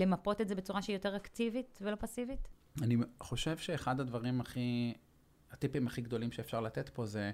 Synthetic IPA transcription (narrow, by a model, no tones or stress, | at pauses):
lemapo̞tetzebet͡suʁaʃeijote̞ʁaktivitvelo̞pasivit | aniχo̞ʃe̞vʃeːχad̪had̪vaʁimaχi | at̪ipimaχiɡd̪o̞limʃeːfʃaʁlatet̪po̞ze